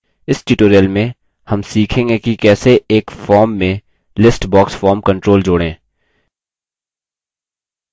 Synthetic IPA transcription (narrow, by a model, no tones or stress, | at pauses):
ɪsʈuːʈoːɾijəlmẽ | hɐmsiːkʰẽːŋɡekikɛːseeːkfɔːɾmːẽ | lɪsʈbɔːksfɔːɾmkɐ̃ɳʈɾoːld͡ʒʊːɽẽː